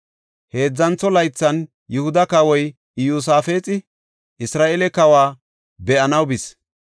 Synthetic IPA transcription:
he̞ːd͡zːɐnt͡sːɔlɐjt͡sːɐn | jʊhʊd̪ɐkɐwɔj | juːs̬aːfeːt͡sʼɪ | ʔɪsɾaːʔelɛkɐwaː | bɛʔɐnɐwbɪs

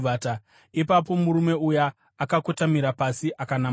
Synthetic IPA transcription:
vʱata | ipap̬o̞muɾume̞ujaː | kakotamiɾapasiʔakana

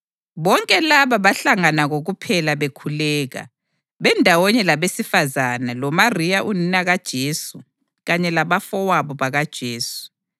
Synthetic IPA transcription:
βɔŋkʼɛlaβaβaɬaŋanaɣoɣupʰɛlaβekʰulɛːɣa̰ | βɛndʱawɔɲɛlaβesifazanalɔmarijaʔuninaɣad̥ʒ̥ʱeːsu | ɣaɲɛlaβafɔwaβɔβaɣad̥ʒ̥ʱeːsu̥

